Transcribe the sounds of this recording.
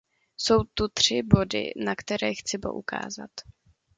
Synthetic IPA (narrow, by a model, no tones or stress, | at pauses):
so̞wt̪ut̪r̝̥ɪbo̞dɪ̰nakt̪ɛɾɛːxt͡sɪbo̰ʔuka̰ːza̰t̪